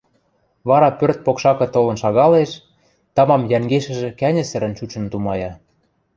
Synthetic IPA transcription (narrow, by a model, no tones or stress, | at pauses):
βɑɾɑpørt̪̚pokʃɑkɤ̆t̪olɤ̆nʃɑɣɑleʃ | t̪ɑmɑmjæŋɡeʃɘ̆ʒĕkænʲɘ̆sɘ̆ɾə̆nt͡ɕut͡ɕə̆nt̪umɑjɑ